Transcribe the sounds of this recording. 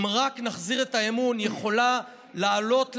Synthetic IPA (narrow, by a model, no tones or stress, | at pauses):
mʁaknaχziʁe̞taemunjeχo̞la | laːlo̞tl